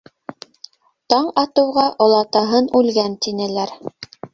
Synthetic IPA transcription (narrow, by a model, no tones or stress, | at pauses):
t̪ɑɴɑt̪ɤ̆wʁɑʔŏlˠɑt̪ɑɦɤnʉlɡænt̪inɘ̆læɾ